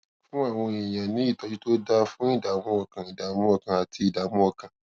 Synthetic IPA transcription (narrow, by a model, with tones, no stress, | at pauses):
fũ˦a˦˨w̃ɔ̃˧i˨jã˨nĩ˨˦i˦˨tɔ˨˧˦d͡ʒi˦to˦da˦fũ˦i˦˨da˨mũ˦ɔ˧˨kã˧i˨da˨mũ˦ɔ˦˧˨kã˨a˨tʰi˧i˨da˨mũ˦ɔ˦˧˨kã˨